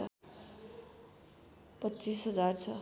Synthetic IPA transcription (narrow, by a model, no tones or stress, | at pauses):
ʌ | pʌtːt͡sisɦʌd͡zart͡sʰʌ